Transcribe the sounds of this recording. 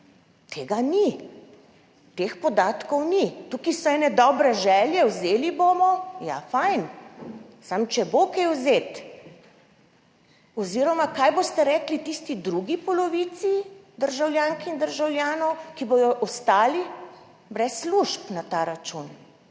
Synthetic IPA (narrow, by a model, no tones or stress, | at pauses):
t̪ʰeːɡani | t̪expɔd̪aːt̪kɔwnit̪ukisɔɛːnɛd̪ɔːbɾɛʒɛːljɛwzeːliboːmɔja̰fajn | samt͡ʃɛbokejwzeːt̪ | ɔziːɾɔmakajbost̪ɛɾɛklit̪ist̪id̪ɾuɡipɔlɔʋit̪sid̪əɾʒawljaŋkind̪əɾʒawljaːnɔwkiboj̪ɔʔɔst̪aːli | bɾɛsːluʃpnat̪aːɾat͡ʃun